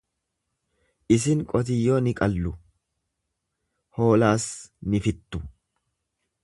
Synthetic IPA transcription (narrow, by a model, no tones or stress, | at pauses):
ʔɪsɪŋkʼɔt̪̬ɪjːoːnɪkʼɐlːʊ | ho̞ːlaːsnɪfɪt̪ːʊ